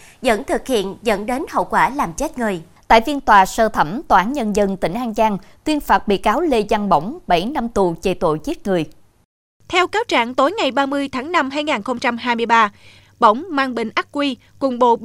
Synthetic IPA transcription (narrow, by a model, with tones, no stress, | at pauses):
zə̰˧˥nt̪ʰɨ˨˩k̚hḭ˧˨ənzə̰˧˥nɗe˨˦nhə̰˧˨wkwaː˧˩laː˨˩mt͡ɕe˦˥t̚ŋɨ˨˩əjt̪a̰ː˧˨jvi˧ənt̪waː˨˩səː˧t̪ʰə˧˩mt̪waː˧˩˦nɲə˧nzə˧nt̪ï˧˩ŋ̟ʔaː˧ŋt͡ɕaː˧ŋt̪wi˧ənfaː˨˩t̚ɓḭ˧˨kaː˨˦wle˧za˧nɓə̰˧˩wŋ͡mɓa˧˩jna˧mt̪u˨˩t͡ɕe˨˩t̪o̰˧˨jt͡ɕi˦˥t̚ŋɨ˨˩əj | t̪ʰɛ˧wkaː˨˦wt͡ɕa̰ː˧˨ŋt̪o˨˦jŋa˨˩jɓaː˧mɨ˧əjt̪ʰaː˨˦ŋna˧mhɦaː˧jŋaː˨˩nxə˧wŋ͡mt͡ɕa˧mɦaː˧jmɨ˧əjɓaː˧ | ɓə̰˧˩wŋ͡mmaː˧nɓḭ̈˧˨ŋ̟ʔa˦˥k̚kwi˧ | kʊ˨˩ŋ͡mɓo̰˧˨